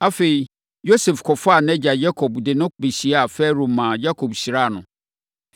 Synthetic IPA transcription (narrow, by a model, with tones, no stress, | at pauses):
a˦fe˨i˨ | jo˦sɛ˨fkʰɔ˨fa˦˨nɛ̃˦d͡ʑa˨ja˦kʰɔ˨bdɪ˨nʊ̃˦be˨ɕi˨a˦a˨fɛ˦ɾũ˨mãː˨ja˦kʰo˨bɕi˨ɾa˦˨nʊ̰̃˨